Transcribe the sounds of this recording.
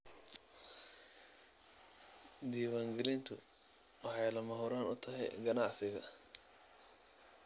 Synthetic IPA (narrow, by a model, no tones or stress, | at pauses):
d̪iːwaːŋɡɛlɪnt̪ʰʊ̰ | wɑħɑjlɐmɐɦʊɾaːnʊt̪ʰɐɦɛ̰jɡɐnɑʕsɪɣɐ̰